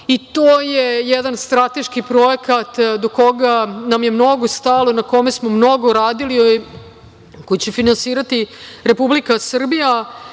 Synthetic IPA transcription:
it̪oːjejɛd̪anst̪ɾat̪e̞ʃkipɾo̞ekat̪d̪oko̞ɡanamjemno̞ɡost̪alˠo̞nako̞me̞smo̞mno̞ɡoɾaːd̪ili | kojit͡ɕefinansiːɾat̪iɾe̞publikasr̩bija

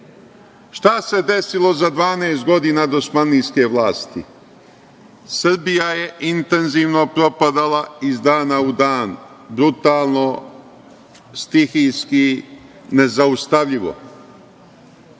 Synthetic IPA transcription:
ʃt̪ase̞d̪e̞silˠo̞zad̪ʋaːneːst̪̚ɡo̞d̪iːnad̪o̞smaniːske̞ʋlaːst̪ḭ | sr̩bijaje̞ʔint̪e̞nziːʋno̞pɾo̞pad̪alaizd̪aːnaud̪aːn | bɾut̪aːlˠno̞ | st̪ixijski | ne̞zaust̪aʋʎiʋo̞̰

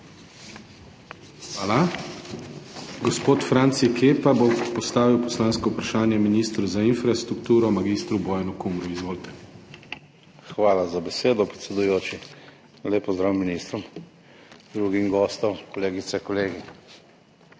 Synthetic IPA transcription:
xʋaːla | ɡɔspoːt̪fɾant̪sikʰeːpabopɔst̪aːʋiwpɔslaːnskɔupɾaʃaːnjɛminist̪ɾuzainfɾast̪ɾukt̪uːɾɔmaɡist̪ɾubɔːjanukumɾuizʋoːlt̪ɛ̥ | xʋaːlazabɛseːd̪ɔpɾɛt̪sʲɛd̪ujoːt͡ʃi | leːpɔzd̪ɾawminist̪ɾɔm | d̪ɾuːɡimɡɔːst̪ɔmkɔleːɡit̪sɛkɔleːɡi

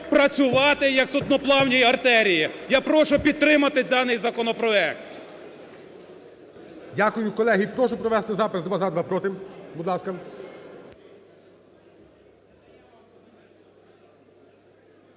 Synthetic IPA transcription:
pɾɐt͡sʲʊʋɑt̪ɪjɐksɔd̪̚nɔplˠɑwnʲijɐrt̪ɛɾʲijijapɾɔʃʊpʲid̪̚t̪ɾɪmɐt̪ɪd̪ɑnɪjzɐkɔnɔpɾɔɛk̚t̪ | dʲakʊjʊkɔlˠɛɦipɾɔʃʊpɾɔʋɛst̪ɪzɑpɪsd̪ʋɑzad̪ʋɑpɾɔt̪ɪmbud̪lˠɑskɐ

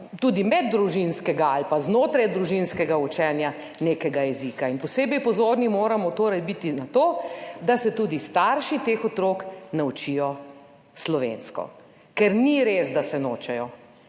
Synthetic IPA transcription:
t̪uːd̪imɛd̪ːɾuʒinskɛɡaalpaznoːt̪ɾajd̪ɾuʒinskɛɡaut͡ʃɛːnja | neːkɛɡajɛzikainpɔseːbɛjpɔzoːɾnimoːɾamɔt̪oːɾajbit̪inat̪oːd̪asɛt̪uːd̪ist̪aɾʃit̪eːxɔt̪ɾoːknaut͡ʃijɔ | slɔʋḛnskɔ̰ | kɛɾniɾezd̪asɛnoːt͡ʃɛjɔ

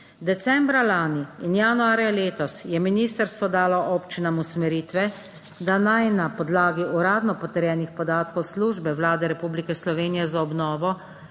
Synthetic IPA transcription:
d̪ɛt̪sɛːmbɾalaːniːnjanuaːɾjaleːt̪ɔsjɛminiːst̪əɾst̪ʋɔd̪aːlɔʔoːpt͡ʃinamusmɛɾiːt̪ʋɛ | d̪anajnapɔd̪laːɡiuɾaːd̪nɔpɔt̪ɛɾjɛːnixpɔd̪aːt̪kɔwsluʒbɛʋlaːd̪ɛɾɛpublikɛslɔʋeːnijɛzaɔbnɔːʋɔ

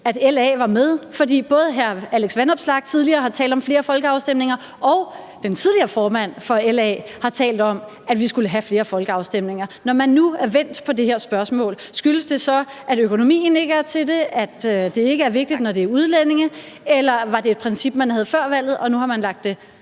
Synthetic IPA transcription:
æd̥elɛ̰ːʋɑ̈með̞ˠfɒ̽dḭːb̥ɔ̽ːð̞̩ˠɦæɐæleɡ̥sʋænɒ̽b̥slɑ̈ɡ̥̚t͡sʰið̞ˠliɐːɦɑ̈t͡sʰɛ̰ːld̥ɒ̽mfle̝ːɐfɒ̽lɡ̥əɑ̈ʊsd̥em̰ne̝ŋɐ | ɒ̽ʊ | d̥ent͡sʰið̞ˠliɐːfɒːmæn̰fɒ̽elɛ̰ːhɑ̈t͡sʰɛ̰ːld̥ɒ̽m | ædʋisɡ̥uləɦæfle̝ːɐfɒ̽lɡ̥əɑ̈ʊsd̥em̰ne̝ŋɐnɒmænːuæɐʋen̰d̥pʰɒ̽de̝heɐsb̥ɶɐsmɔ̰̽ːlsɡ̥yləsd̥e̝sɒ̽ | ʔæɾøkʰo̝no̝mḭːn̩e̝ɡ̥əæɐt͡sʰe̝lde̝æd̥ød̥e̝e̝ɡ̥əæɐʋe̝ɡ̥̚d̥id̥nɒde̝ɐuð̞ˠlene̝ŋə | elɐʋɑ̈de̝ːd̥̚pʰʁɛnsib̥mænhæð̞ˠfɶɐ̰ʋæl̰ð̩ˠɒ̽nuhɑ̈mænlɑ̈ɡ̥̚d̥e̝

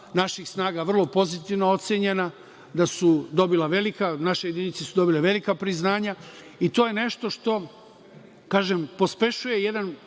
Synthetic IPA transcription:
naʃixsnaːɡaʋr̩lˠo̞po̞zit̪iʋnoo̞t̪sjeɲena | d̪asud̪o̞bilaʋe̞likanaʃejed̪init̪sesud̪o̞bileʋe̞likapɾiznaːɲa | it̪ojene̞ʃt̪o̞ʃt̪o̞ | kaːʒempo̞spe̞ʃuje̞je̞d̪an

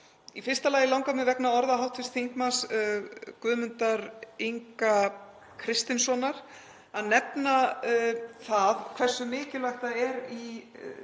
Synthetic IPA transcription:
ifɪr̥st̪alaːjɪlawŋkamɪvɛknaɔɾðaɦawht̪fɪ̥st̪θiŋkmans | kvʏːðmʏnt̪aɾiŋka | kʰɾɪst̪ɪnsɔnaɾ̥ | aðnɛpna | θaðkʰvɛ̥sːʏmɪːcɪlvajxt̪aɛɾi

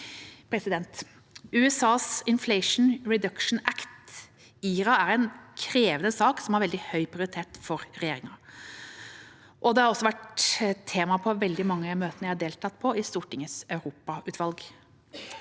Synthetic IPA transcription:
pʰɾɛsɪd̪ɛnt̪ | ʉːɛsɑːsɪnflɛɪʂn̩ɹɛd̪ɑkʂɳ̩ækt̪ | iːɾɑæɾɛnkʰɾeːʋənəsɑːksɔmhæɾʋɛld̪ɪhœʏpʰɾɪʊɾɪt̪ʰeːʈfɔɾɾɛjeːɾɪŋɑ | ʔɔd̪ɛhɑɾɔsːɔʋæʈt̪ʰeːmɑpʰɔʋɛld̪ɪmɑŋːəmøːt̪ənəjæɪhɑɖeːlt̪ʰɑt̪ːpʰɔɪst̪uːʈɪŋəsœʉɾuːpɑʉːt̪ʰʋɑlɡ

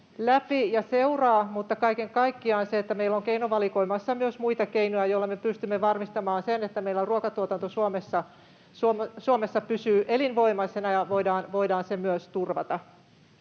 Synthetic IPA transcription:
læpijɑseurɑːmut̪ːɑkɑikeŋkɑikːiɑːnseet̪ːæmeilːoŋkeinoʋɑliko̞imɑsːɑmyøsmuit̪ɑkeinojæjoilːɑmepyst̪ymːeʋɑrmist̪ɑmɑːnsenet̪ːæmeilːoruokɑt̪uot̪ɑnt̪osuomesːɑ | suomsuomesːɑpysyːʔelinʋo̞imɑsenɑjɑʋoidɑːnʋoidɑːnsemyøst̪urʋɑ̰t̪ɑ

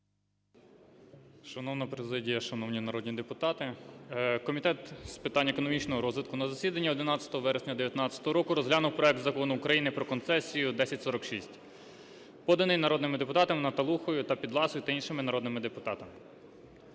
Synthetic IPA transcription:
ʃɐnɔwnɐpɾezɪdʲijɐʃɐnɔwnʲinɐɾɔd̪ʲnʲid̪epʊt̪ɑt̪ɪ | kɔmʲit̪ɛt̪spɪt̪ɑnʲːɐekɔnɔmʲit͡ʃnɔɦɔɾɔzʋɪt̪kʊnɐzɐsʲid̪ɐnʲːiɔd̪ɪnɑtt͡sʲɐt̪ɔɦɔʋɛɾesʲnʲɐd̪eʋʲjɐt̪nɑt͡sʲɐ̥t̪ɔɦɔɾɔkʊɾɔzɦlʲanʊwpɾɔɛk̚t̪zɐkɔnʊːkɾɐjinɪpɾɔkɔnt̪sɛsʲijʊd̪ɛsʲɐtʲsɔɾɔkʃisʲtʲ | pɔd̪ɐnɪjnɐɾɔd̪nɪmɪd̪epʊt̪ɑt̪ɐmɪnɐt̪ɐlˠuxɔjʊt̪ɐpʲid̪lˠɑsʊjʊt̪ɐinʃɪmɪnɐɾɔd̪nɪmɪd̪epʊt̪ɑt̪ɐmɪ

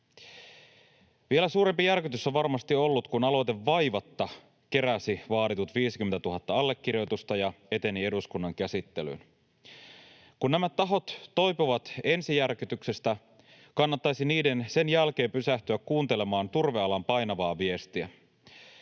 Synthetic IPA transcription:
ʋielæsuːɾe̞mpijærkyt̪ysːoʋʋɑrmɑst̪io̞lːut̪kunɑlo̞t̪e̞ʋːɑjʋɑt̪ːɑ | ke̞ɾæsiʋɑːɾit̪ut̪ʋiːsik̟yment̪æt̪uɦɑt̪ːɑɑlːe̞kːirjo̞t̪ust̪ɑjɑe̞t̪e̞nie̞duskunːɑŋk̟æsit̪ːe̞ly̰n | kunnæmætt̪ːɑɦo̞t̪ːo̞jpuʋɑt̪e̞nsijærkyt̪ykse̞st̪æ | kɑnːɑt̪ːɑjsiniːde̞nse̞njælk̟e̞ːmpysæht̪yækkuːnt̪e̞le̞mɑːnt̪urʋeɑlɑmpɑjnɑʋɑːʋie̞st̪iæ

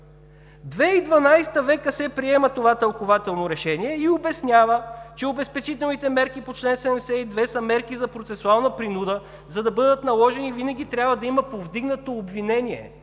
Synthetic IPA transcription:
d̪vɛid̪vɐnajst̪əvɛkəsɛpɾiɛmət̪ovat̪ɐlˠkovat̪ɛlˠnoɾɛʃɛniɛiobɛsnʲjavət͡ʃɛobɛspɛt͡ʃit̪ɛlˠnit̪ɛmɛɾkipot͡ʃlɛnsɛd̪ɛmɛsɛid̪vɛsɐmɛɾkizɐpɾot̪sɛsʊalˠnɐpɾinud̪ə | zɐd̪ɐbɤd̪ət̪nɐlˠɔʒɛnivinɐɡ̟ʲit̪ɾʲabvəd̪ɐiməpovd̪iɡnət̪oːbvinɛniɛ̰

